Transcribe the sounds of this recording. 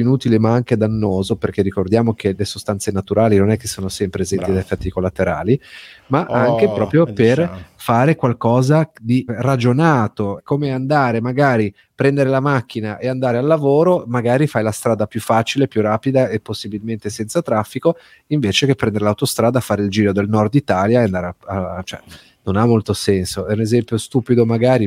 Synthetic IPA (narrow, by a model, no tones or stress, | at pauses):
inuːt̪ilemaaŋked̪anːoːzoperk̟erːikord̪jaːmok̟elesost̪ant̪senat̪uɾaːlinonɛkːesːoːnosɛmpɾeːzɛnt̪id̪ajefːɛt̪ːikolːat̪eɾa̰ːlimaʔaŋk̟epɾɔːpɾjoperfaːɾekwalkɔːzad̪irad͡ʒonaːt̪okoːmeand̪aːɾemaɡaːɾi | pɾɛnd̪eɾelamakːinaʔeand̪aːɾealːavoːɾomaɡaːɾifajlast̪ɾaːd̪apjufːaːt͡ʃilepjurːaːpid̪aepːosːibilment̪esɛnt̪sat̪ɾafːiko | iɱveːt͡ʃekepːɾɛnd̪eɾelawt̪ost̪ɾaːd̪afːaːɾeild͡ʒiːɾod̪elnɔrd̪it̪aːljaeand̪aɾaat͡ʃoɛ̰ | nonamːolt̪osɛnsoɛunezɛmpjost̪uːpid̪omaɡaːɾi